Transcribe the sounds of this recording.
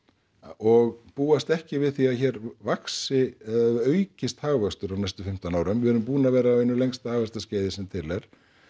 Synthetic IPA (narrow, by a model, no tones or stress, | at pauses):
ɔɣpuːast̪ɛhcɪvɪðθiaçɛːɾvaksɪœːɥcɪst̪haːɣvast̪ʏɾawnajst̪ʏfɪm̥t̪anaːwɾʏmvɪhɛɾʏmpuːnavɛːɾaːwɛnːʏlejŋst̪haːɣvast̪asceːjðɪsɛmt̪ʰɪlɛɾ̥